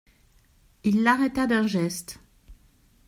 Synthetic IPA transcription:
ilːaʁɛt̪ad̪ɛ̃ʒɛst̪

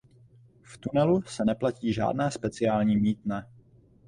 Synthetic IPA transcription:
ft̪unɛlusɛnɛplaciːʒa̰ːdnɛːspɛt͡sɪaːlɲiːmiːt̪nɛ

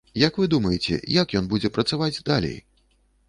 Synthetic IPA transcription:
jɐkvɨd̪umɐjɛt͡sʲɛ̰jakjɔnbud͡zʲɛpɾɐt̪savad͡zʲd̪alʲḛj

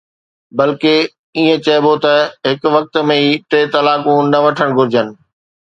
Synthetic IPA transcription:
bɐlke | iːẽt͡ɕɐɪbot̪ɐɦɪkʋɐk̚t̪mẽiːʈeːt̪ɐlaːkũnɐʋɐʈʰəɽ̃ɡʱʊɾɪd͡ʑənɪ̆

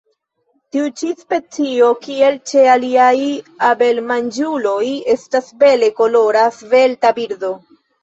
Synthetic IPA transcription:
tiut͡ʃispe̞t͡sio̞kie̞lt͡ʃe̞aliajabe̞lmand͡ʒulo̞je̞stasbe̞le̞ko̞lo̞ɾasve̞ltabiɾdo̞

